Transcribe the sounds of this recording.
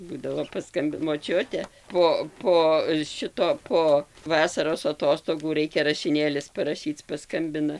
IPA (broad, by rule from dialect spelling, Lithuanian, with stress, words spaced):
ˈbuːdɐʋoː pɐˈskɐmʲbʲɪ moːˈt͡ʃʲʊtʲɛ poː ˈpoː ˈʃʲɪtoː ˈpoː ˈʋɑːsɐroːs ɐˈtoːstoːɡuː ˈrɐɪkʲɛ rɐʃʲɪˈnʲeːlʲɪs pɐrɐˈʃʲiːt͡s pɐˈskɐmʲbʲɪnɐ